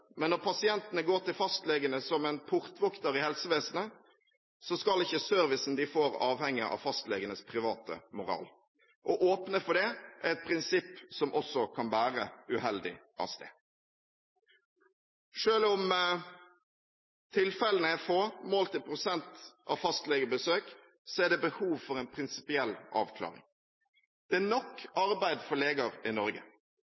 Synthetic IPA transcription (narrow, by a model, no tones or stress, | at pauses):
mɛnːɔʁpʰɑsɪɛnt̪ənəɡoːʁʈ̪ɪlfɑst̪lɛɡənəsɔmɛnpʰʊʁt̪ʋɔkt̪əɾɪhɛlsəʋeːsənə | sɔskɑlɪçːəsœɾʋɪsn̩d̪ɪfoːɾɑːʋhɛŋːəʔɑ̰fɑst̪lɛ̰ɡənəspʰʁɪʋɑːt̪ə̰mʊɾɑ̰ːl | ʔɔʔoːpnəfɔɖɛʔæɛt̪̚pʰɾɪnsɪpːsɔmʔɔsːɔkʰɑnbæːʁəʉhɛld̪ɪ̰ʔɑ̰sd̪ḛː | ʂøːlʊm | t̪ʰɪlfɛlənəɛfoːmoːlt̪ɪlpʰɾʊsɛnt̪ʔɑ̰ʋfɑst̪lɛːɡəbəsøːk | sɔæɖ̪ɛbəhuːʋfɔɾɛɪnpʰɾɪnsɪ̥pɪɛlːɑ̰ːʋkʰlɑ̰ːɾɪ̰ŋ | d̪̥ɛænɔkːɑɾbæɪd̪fɔɭeːɡɑɾɪnɔɾɡə̰